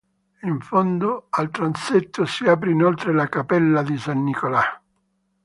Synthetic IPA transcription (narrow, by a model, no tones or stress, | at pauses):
iɱfond̪oalt̪ɾant̪set̪ːʊsiaːp̬ɾeinolt̪ɾelakapɛlːad̪isanːikola